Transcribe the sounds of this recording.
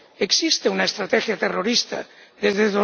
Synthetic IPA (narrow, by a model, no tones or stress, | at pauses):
eksist̪eunaest̪ɾat̪exjat̪eroɾist̪a̰ðezðeðo